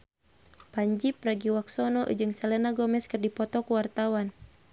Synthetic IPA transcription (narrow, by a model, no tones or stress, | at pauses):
paɲd͡ʒipraɡiwaksɔnɔʔd͡ʒɨŋsɛlɛnaɡɔmɛskərdipɔt̪ɔkuwart̪awan